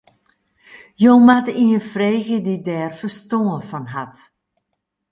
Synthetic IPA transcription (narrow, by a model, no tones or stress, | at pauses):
jowmatiəfreːɣədidɛːrfəɹstoːənfɔnɦat